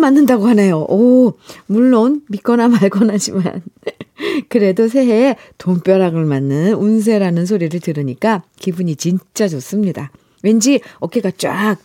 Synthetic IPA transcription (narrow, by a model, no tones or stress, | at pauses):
manːɯndaɡoɦanejoʔʌmuɭːonmik͈ʌnamaɭɡʌnɦad͡ʑima̰n | kɯɾe̞dos̬ʰe̞ɦe | toŋp͈jʌɾaɡɯɭmanːɯnuns̬ʰe̞ɾanɯns̬ʰoɾiɾɯɭtɯɾɯɲik͈akibuɲit͡ɕint͡ɕ͈ad͡ʑʌs͈ɯmɲida | we̞nd͡ʑiʌk͈eɡat͡ɕ͈ak̚